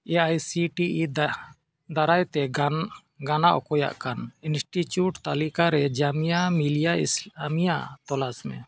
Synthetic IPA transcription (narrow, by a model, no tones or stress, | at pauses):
ɛajsiʈiʔid | d̪aɾajt̪ɛ | ɡanaʔɔ̰kɔja̰ʔkaninsʈit͡ʃuʈt̪alikaɾɛd͡ʒamijamilijaisamijaʔt̪ɔlasmɛ̰̃